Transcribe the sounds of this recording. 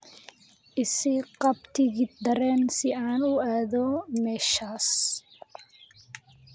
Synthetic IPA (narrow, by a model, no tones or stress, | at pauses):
ʔɪsɪqɑbt̪ʰɪɣɪd̪ɐɾɛːnsɪaːnʊaːðɔmɛːʃaːs